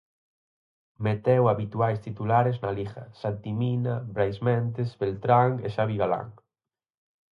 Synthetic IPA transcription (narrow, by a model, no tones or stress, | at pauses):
met̪ɛwaβit̪uajst̪it̪ulaɾeznalixa̰sant̪iminabɾajsmɛnt̪eszbelt̪ɾaŋeʃaβiɣala̰ŋ